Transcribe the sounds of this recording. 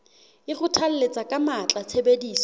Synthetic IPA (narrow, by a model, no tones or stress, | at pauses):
ɪχʊtʰal̩let͡sʼakʼamat͡ɬʼat͡sʰebediːsɔ